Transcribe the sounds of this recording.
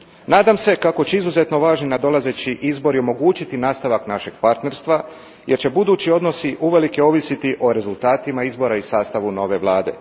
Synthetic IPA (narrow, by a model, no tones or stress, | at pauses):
naːd̪amse̞kako̞t͡ɕeizuze̞t̪no̞ʋaːʒninad̪o̞laze̞t͡ɕiʔizbo̞ɾio̞mo̞ɡuːt͡ɕit̪inaːst̪aʋaknaʃe̞ɡ̥paɾt̪ne̞ɾst̪ʋa | jʔe̞ɾt͡ɕe̞bud̪uːt͡ɕio̞d̪no̞siʔuʋe̞like̞o̞ʋisit̪iʔo̞ɾe̞zulˠt̪aːt̪imaizbo̞ɾaisaːst̪aʋuno̞ʋe̞ʋlˠaːd̪e̞̰